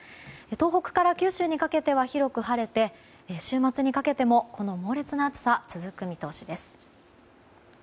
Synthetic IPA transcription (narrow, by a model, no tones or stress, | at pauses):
et̪o̞ːɦo̞kɯ̟̥kaɾakʲɨːɕɨːɲ̟ikake̞t̪e̞βaçiɾo̞kɯ̟ɦaɾe̞t̪e̞ | ɕɨːmat͡sɨɲ̟ikake̞t̪e̞mo̞ko̞no̞mo̞ːɾe̞t͡sɨnaːt͡sɨ̥sat͡sɨzɨkɯ̟mʲit̪o̞ːɕid̪e̞sɨ̥